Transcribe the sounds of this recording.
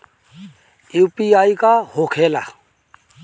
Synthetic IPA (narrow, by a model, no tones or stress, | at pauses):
juːpiaːikaːhokʰeːla̰ː